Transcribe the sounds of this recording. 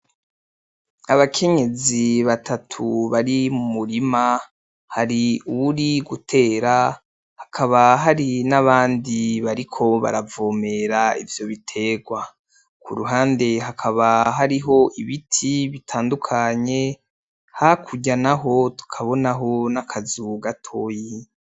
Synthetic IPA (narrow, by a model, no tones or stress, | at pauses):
aβakʰe̞ɲe̞ziβatʰatʰuβaɾimumuɾima | haɾiuβuɾiɡutʰe̞ːɾa | hḁkʰaβaɦaɾinaβaːndiβaɾikʰo̞βa̰ɾavoːme̞ɾaḭvjo̞βitʰe̞ːɡwa | kuɾuɦaːnde̞ɦakʰaβaɦaɾiɦo̞ʔiβitʰiβitʰaːndukʰaɲe̞ | hakʰuɟanaɦo̞tu̥kʰaβo̞naɦo̞nakʰazuɡatʰo̞ji